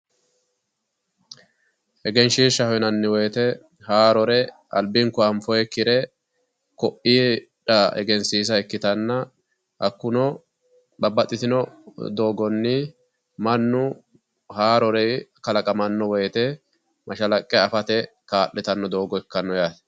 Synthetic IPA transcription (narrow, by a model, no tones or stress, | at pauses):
ɛɡɛnʃiːʃɐhɔjnɐnːɪwɔjt̪ɛ | haːɾɔɾɛ | ʔɐ̰lbɪŋkʊɐmfɔjɛkːɪɾɛ | kɔʔːiːᶑɐɛ̰ɡɛnsiːs̬ɐɛkːɪt̪ɐnːɐ | ʔɐkːʊnɔ | ɓɐbːɐt̪ʼːɪt̪ɪnɔd̪o̞ːɡɔnːɪ | mɐnːʊ | haːɾɔɾɛjkɐlɐkʼɐmɐnːɔwɔjt̪ɛ | mʔɐʃɐlɐkʼːɛɐfɐt̪ɛ | kaːʔːɛt̪ɐnːɔd̪o̞ːɡɔɛkːɐnːɔjaːt̪